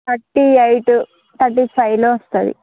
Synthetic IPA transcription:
t̪ɐʈːiɐjʈu | t̪ɐʈːisɐjloːʋɐst̪ad̪ḭ

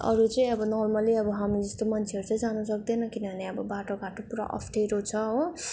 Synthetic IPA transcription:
ʌ̰ɾut͡sʌĩʌbʌnʌrmʌliʌbʌɦamid͡zʌst̪omʌnt͡sʰeʌɾut͡sʌj̃d͡zanʌsʌk̚d̪enʌkinʌbʱʌneʌbʌbaʈoɡʱaʈopuɾa̰ʔʌ̰pʰʈeɾot͡sʰʌɦo

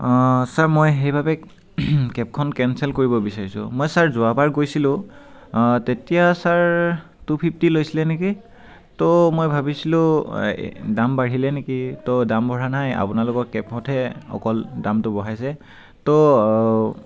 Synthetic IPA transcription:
saɹmojɦejbʱabɛ | kɛp̚kʰɔnkɛnsɛlkoɹibɔbisaɹisʊ̰̃mojsaɹzʊapaɹɡojsilʊ̃ | tetijasaɹ | tupʰip̚tilojsilɛneki | tɔmojbʱabisilʊ̃ | dambaɹilɛnekitɔdambʱɔɹanaja̰pʊnalʊkɔɹkɛpxɔtʰɛɔ̰kɔldamtʊbɔɦajsɛ | tɔ

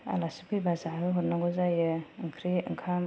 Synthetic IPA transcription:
a̰lasipʰɯjbazaɯɦuɾnaŋɡɔzajɯɯŋkʰɾiɯ̰ŋkʰam

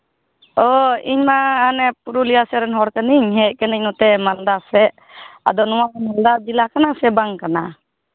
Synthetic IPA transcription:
ɔiɲmaanɛpuɾulijasɛɾɛnɦɔɽkəniɲɦɛʔ̚ˀkəniɲnut̪ɛmand̪asɛ | a̰d̪ɔnɔwamand̪ad͡ʒilakanasɛbaŋkana

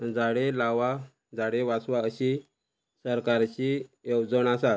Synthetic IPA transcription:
d͡zaɽelaʋa | d͡zaɽeʋasʋaəɕi | səɾkaɾt͡ɕijewd͡zəɳasa

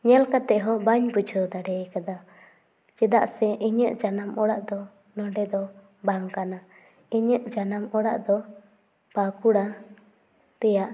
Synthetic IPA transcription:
ɲɛlkat̪ɛʔɦɔbaɲpud͡ʒʰʱəd̪aɖɛjkad̪a | t͡ʃɛd̪aʔsɛʔiɲəʔd͡ʒanamɔɽaʔd̪ɔ | nɔɳɖɛd̪ɔ | baŋkana | iɲəʔd͡ʒanamɔɽa̰ʔd̪ɔ | pakuɽa | t̪ɛjaʔ

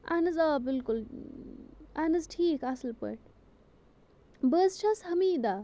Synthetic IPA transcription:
a̰nɐzabɪlkʊl | anɨzʈʰiːkɐslpə̰ʈ | bəzt͡ʃʰɐshɐmiːd̪a

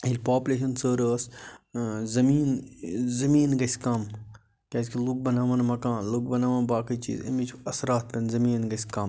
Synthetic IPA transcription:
ilʲpaːpʲlʲeːʃ̬ɐnsəːɾəːs | zɐmiːnzɐmiːnɡɐsʲkaːm | kʲɐs̬ʲkiluk̚bɐnaːʋɐnmɐkãːnlukbɐnaːʋɐnbaːkɐt͡ʃḭːzɐ̰mit͡ʃʰɐsɾaːt̪̚pɐnzɐmiːnɡɐsʲkaːm

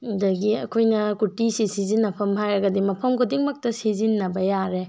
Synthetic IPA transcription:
dɐɡiɐ̰kʰojnɐkutisisizinːɐpʰɐmɦajɾɐɡɐdimɐpʰɐmkʰodiŋmɐk̚tɐsizinːɐbɐjaɾe

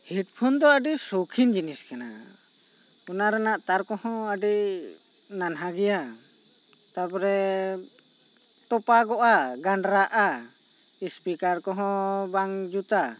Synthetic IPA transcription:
hiʈ̚pʰund̪ɔəɖisokʰind͡ʒiniskana̰ | unaɾɛnaʔt̪aɾkɔhɔ̃əɖi | nanɦaɡɛja | t̪apɾɛ | ʈɔpaɡɔʔaɡaɳɖɾaʔa | ispikaɾkɔɦɔ̃baŋd͡ʒut̪a

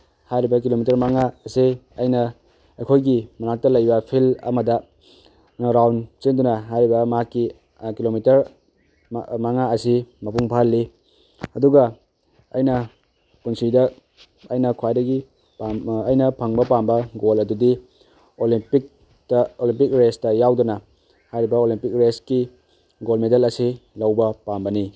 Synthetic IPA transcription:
hajɾibɐk̬ilomitɐɾmaŋaɐse | ɐjnɐ | ejkʰojɡimɐnak̚tɐlɐjbɐpʰilɐ̰mɐdɐ | ɾawnt͡ʃendunɐɦajɾibɐmɐɦakːi | kilomitɐɾ | mɐŋaɐsimɐpuŋpʰalːi | ɐduɡɐ | ɐjnɐ | kunsidɐː | jnɐkʰwajdɐɡi | ɐjnɐpʰɐŋbɐpambɐɡolɐdudi | olipik̚ | tɐolimpik̚ɾestɐjawdɐnɐ | hajɾibɐolimpik̚ɾeski | ɡolmedɐlɐsilɐwbɐpambɐni

